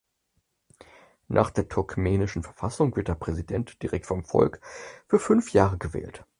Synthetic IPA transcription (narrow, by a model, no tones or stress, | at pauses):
nʔa̰ːχd̥eːɐtʰʊɐkmɛːnɪʃn̩fɛɐfasʊŋvɪɐtd̥eːɐpʁ̥ɛzidɛntd̥iʁɛk̚tfɔmfɔ̰lkfyːɐfʏnfjaːʁəɡəvɛ̰ːlt